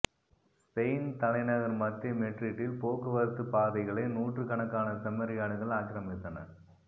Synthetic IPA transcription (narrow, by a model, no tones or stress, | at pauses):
sɛɪnt̪ɐlɐɪnɐɣɐɾmɐt̪ːɐmɛʈrɪʈːɪlpoːkɯʋɐɾɯt̪ːɯpaːðɐɪɣɐɭɐɪnuːʈrɯkɐɳɐkːaːnɐsɐmːɐɾɪjaːɽɯɣɐɭaːkːɪɾɐmɪt̪ːɐnɐ̰ɾ